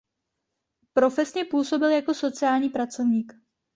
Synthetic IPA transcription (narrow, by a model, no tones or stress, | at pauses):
pɾo̞fɛsɲɛpuːso̞bɪljako̞so̞t͡sɪaːlɲiːpɾat͡so̞vɲiːk